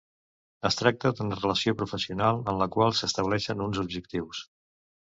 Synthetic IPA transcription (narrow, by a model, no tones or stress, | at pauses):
əst̪ɾak̚t̪əd̪unərələsiopɾufəsiunalˠənləkwalˠsəst̪əβlɛʃənunzubʒək̚t̪iws